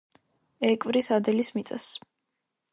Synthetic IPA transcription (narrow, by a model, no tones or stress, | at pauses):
ɛkʼvɾisad̪ɛlismit̪sʼa̰s